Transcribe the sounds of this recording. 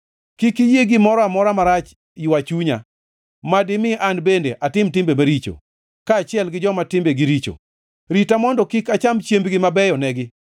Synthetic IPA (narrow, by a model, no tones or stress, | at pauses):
kikijeɡɪmɔɾɔamɔɾamaɾat͡ʃ | jwat͡ʃuɲa̰ | madɪmɪʔanbendeʔatɪmtɪmbemaɾit͡ʃo̰ | kaːt͡ʃɪɛlɡɪd͡ʒɔmatɪmbeɡiɾit͡ʃo̰ | ɾitamɔndɔkɪkat͡ʃamt͡ʃjembɡɪmabɛjɔnɛɡɪ